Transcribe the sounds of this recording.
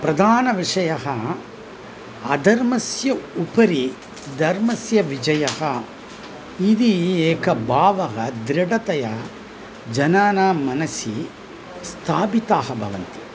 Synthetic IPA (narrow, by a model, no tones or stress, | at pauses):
pɾɐd̪ʱaːnɐʋiʂɐjɐɦɐ | ɐd̪ʱɐɾmɐsjɐupɐɾi | d̪ʱɐɾmɐsjɐʋid͡ʒɐjɐhɐ | id̪ieːkɐbʱaːʋɐɦɐd̪ɾɐɽɐt̪ɐjɐ | d͡ʒɐnaːnaːmɐnɐsi | st̪ʰaːbit̪aːɦɐbʱɐ̰ʋɐnt̪i̥